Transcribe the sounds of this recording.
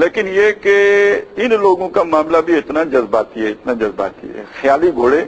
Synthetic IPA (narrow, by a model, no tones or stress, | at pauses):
leːkɪnjekeɪnloːɡõkamaːmlabʱiɪt̪nad͡ʒɐzbaːt̪iɦɛɪt̪nad͡ʒɐzba̰ːt̪ḭɦɛ̰xjaːliɡʱoːɽeː